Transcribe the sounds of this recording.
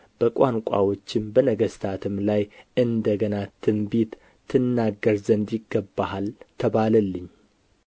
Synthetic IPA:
b̥əkʷʼaŋkʷʼa̰wo̞t͡ʃːɪmbənəɡəst̪ʰat̪ʰɨmlajʔɨnd̪əɡənat̪ʰɨmbit̪ʰː | ɨnːaɡːəɾzənd̪jɪɡːəbːaɦalt̪ʰəβaləlːɨɲː

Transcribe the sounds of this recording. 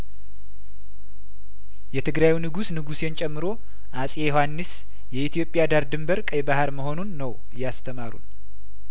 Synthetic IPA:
jɛt̪ʰɨɡɾajinɨɡusnɨɡusjent͡ʃʼɛmːɨɾo̞ | ʔasʼejohanːɨs | jɛit̪ʰijo̞pʼɪjad̪aɾd̪ɨmbəɾkʼəjbahaɾməɦo̞nunːəw | jast̪ʰəmaɾṵn

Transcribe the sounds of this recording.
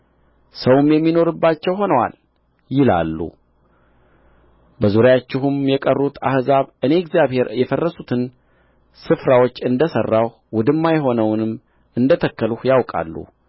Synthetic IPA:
səwmjɛmːino̞ɾɨbːat͡ʃːɛwɦo̞nəwa̰l | jɪla̰lːṵ | bəzuɾjat͡ʃːɪɦumjɛkʼərːut̪ʰa̰hzaβɨne̞ɛɡzjaβhe̞ɾjɛfərːəsut̪ʰɨn | sɨfɾawo̞t͡ʃːɨnd̪əsərːawh | wʊd̪ɨmːajɛɦo̞nəwnɨm | ɨnd̪ət̪ʰəkːəluhjawkʼa̰lːṵ

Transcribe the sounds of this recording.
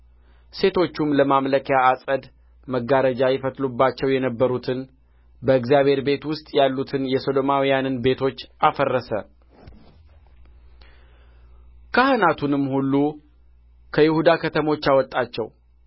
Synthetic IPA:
se̞t̪ʰo̞t͡ʃːumləmamləkʰəjaːsʼəd̪ | məɡaɾəd͡ʒajɪfət̪lubːat͡ʃːɛwjɛnəbːəɾut̪ʰɨn | bəɨkzijaβhe̞ɾbe̞t̪wʊst̪ʼjalːut̪ʰɨnjɛso̞d̪o̞mawijanɨnbe̞t̪ʰo̞t͡ʃːafərːəsə̰ | kʰahɨnat̪ʰunɨmːhulːu | kʰəjɪhud̪akʰət̪ʰəmo̞t͡ʃːawɔt̪ʼːat͡ʃːɛw

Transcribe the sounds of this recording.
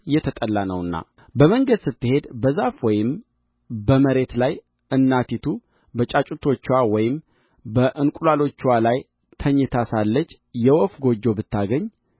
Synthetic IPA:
jɛt̪ʰət̪ʼəlːanəwɨnːa̰ | bəməŋɡəd̪sɨt̪ːɨhe̞d̪bəzafwɔjɪm | bəməɾe̞t̪laj | ʔɨnːat̪it̪ʰu | bət͡ʃʼat͡ʃʼut̪ʰo̞t͡ʃːwawɔjɪm | bəʔɨnkʷʼulalo̞t͡ʃːwalaj | t̪ʰəɲːɪt̪ʰasalːət͡ʃː | jɛwɔfɡo̞d͡ʒːo̞bɨt̪ʰːaɡəɲː

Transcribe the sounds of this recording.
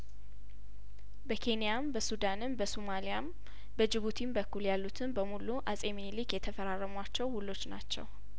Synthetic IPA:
bəkʰe̞nijambəsud̪anɨmbəsumalijam | bəd͡ʒɪβut̪ʰinbəkːuljalːut̪ʰɨnbəmuluʔasʼeminlikjɛt̪ʰəfəɾaɾːəmwat͡ʃːɛwhulːo̞t͡ʃːna̰t͡ʃːɛ̰w

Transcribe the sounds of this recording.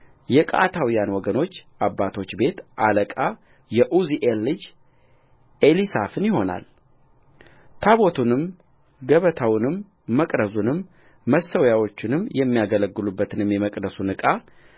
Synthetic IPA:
jɛkʼa̰t̪ʰawijanwɔɡəno̞t͡ʃːʔabːat̪ʰo̞t͡ʃːbe̞t̪ʔaləkʼa | jɛʔuziʔelːɨd͡ʒ | elisa̰fɨnjɪho̞na̰l | t̪ʰaβo̞t̪ʰunɨm | ɡəβət̪ʰawnɨmː | əkʼɾəzunɨmː | əsəwjawo̞t͡ʃːɪnɨmːjɛmːijaɡələɡːɨlubːət̪ʰɨnɨmjɛməkʼd̪əsunɨkʼa

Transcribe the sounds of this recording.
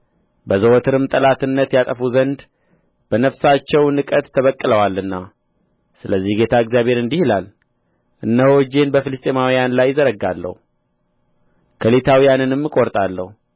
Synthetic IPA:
bəzəwɔt̪ʰɨɾɨmt̪ʼəlat̪ɨnːət̪jat̪ʼəfuzənd̪ | b̥ənəfsat͡ʃːɛwnɨkʼət̪ʰːəβəkʼːɨləwalːɨnːa | sɨləzːihɡe̞t̪ʰaɨɡzjaβhe̞ɾɨnd̪ihilal | ʔɨnːəhod͡ʒe̞nbəfilɨst̪ʼemawijanlajːɪzəɾəɡalːə̰hu | kʰəlet̪ʰawijanɨnɨmːɨkʼoɾt̪ʼalːə̰hu

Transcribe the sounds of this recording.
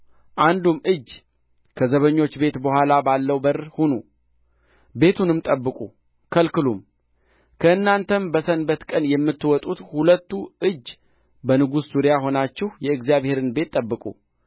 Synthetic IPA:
ʔand̪umɨd͡ʒː | kʰəzəβəɲːo̞t͡ʃːbe̞t̪bəhʷalabalːəwbəɾhunu | be̞t̪ʰunɨmt̪ʼəbːɨkʼu | kʰəlkɨlum | kʰəɨnːant̪ʰəmbəsənbət̪kʼənjɛmːɨt̪ːɨwɔt̪ʼut̪hulət̪ːuɨd͡ʒː | bənɨɡuszuɾjaɦo̞nat͡ʃːɪhjɛɨɡzjaβhe̞ɾɨnbe̞t̪ʼːəbːɨkʼṵ

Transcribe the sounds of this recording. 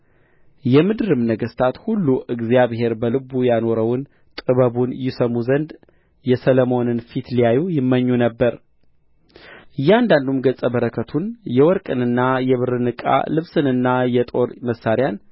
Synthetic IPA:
jɛmɨd̪ɨɾɨmnəɡəst̪ʰat̪hulːuʔɨɡzijaβɦe̞ɾbəlɨbujano̞ɾəwn | t̪ʼɨβəβunjɪsəmuzənd̪ | jɛsələmo̞nɨnfit̪lijajujɪmːəɲːunəbːəɾ | ɨjːɪand̪and̪umɡət͡sʼəbəɾəkʰət̪ʰunjɛwɔɾkʼɨnɨnːajɛβɨɾɨnɨkʼa̰lɨβsɨnɨnːajɛt̪ʼo̞ɾməsːaɾjan

